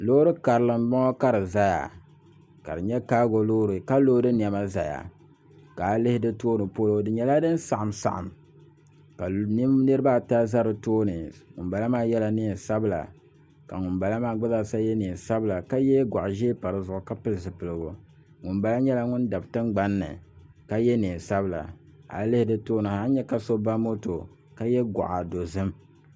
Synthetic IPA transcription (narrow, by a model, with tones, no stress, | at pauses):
loː˦ɾɨ˦ka˨ɾɨ˨lɨ˨mɡ͡bɔ˦ŋɔ˦ka˦ɾɨ˨za˦ja̰˨ | ka̰˨ɾɨ˨ɲɛ˦kaː˦ɡo˨loː˦ɾɨ˨ka˦loː˦dɨ˦n˨ɛ˨ma˦za˨ja̰˨ | ka˨˦lɪ˦hɪ˦dɨ˦toː˦nɨ˨poː˦lo˦dɨ˨ɲɛ˨la˦dɨ˦n˦sa˨ʔa˨msa̰˨ʔa̰˨m | ka˨ni˦mnɨ˦ɾɨ˦ba˦˨ta˦za˦ɾɨ˨toː˦nɨ˨ŋʊ̰˨nba˨la˦maː˦jɛ˦la˦ni˦˨sa˦bɨ˦la̰˨ | ka˨ŋʊ˨nba˨la˦maː˦ɡ͡ba˦za˦˨sa˦jɛ˦ni˨n˨sa˦bɨ˦la˨ka˦jɛ˦ɡʷa˨ʔʒe˦pa˨ɾɨ˦zʊ˨ʔʊ˨ka˦pɨ˦lɨ˨zɨ˨pɨ˨lɨ˨ɡʊ˨ | ŋʊ˨nba˦la˦ɲɛ˦la˦ŋʊ˦nda˨btɨ˦ŋ͡mɡ͡ba˦nːɨ̰˨ | ka˦jɛ˦ni˨n˨sa˦bɨ˦la̰˨ | ha̰˨llɨ˦hɪ˦dɨ˦toː˦nɨ˨ha˦n˦ɲɛ˦ka˦so˦ba˦mo˦to˨ | ka˦jɛ˦ɡa̰˨ʔa˨do˨zɨ˦m